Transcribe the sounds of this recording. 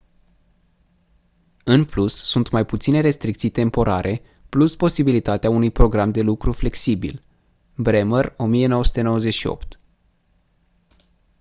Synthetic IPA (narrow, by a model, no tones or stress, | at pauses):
ɨnplusːunt̪majput̪sine̞ɾe̞st̪ɾik̚t̪sijt̪e̞mpo̞ɾa̰ɾʔe | pluspo̞sibilit̪at̪eaunujpɾo̞ɡɾamd̪e̞lukɾufle̞ksibḭl | bɾeməro̞mije̞no̞wəsu̥t̪enowəze̞t͡ʃʃio̞̰pt̪